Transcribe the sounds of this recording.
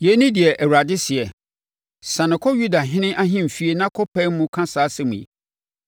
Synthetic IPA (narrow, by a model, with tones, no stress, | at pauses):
jɛ˨˦nĩ˦dɪ˨ɛ˨ʔɛ˨wa˨dɪ˦sɪ˨ɛ˨ | sã˨nɪ̃˨kʰɔ˦ju˦da˨ɦɪ̃˦nɪ̃˦ʔa˦ɦɪ̃˦m̩˨fi˦e˦nã˦kʰɔ˦pʰɛ˦mʊ̃˦kʰã˦saː˨˦sɛ˦mũ˨ḛ˨